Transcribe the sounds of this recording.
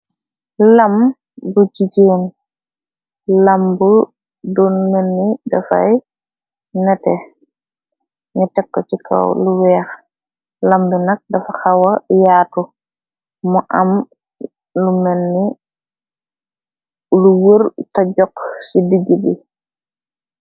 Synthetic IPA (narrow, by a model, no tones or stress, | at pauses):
lɐm | but͡ʃiɟeːn | lɐmbu | dɔnmenːidɐfɐ̰j | nɛtɛ | nitɛkːot͡ʃikʰa̰wluwɛːx | lɐmbinɐk̚dɐfɐxawɐjaːtu | muʔɐm | lumɛnːi | luwəɾtɐɟɔksidiɡibi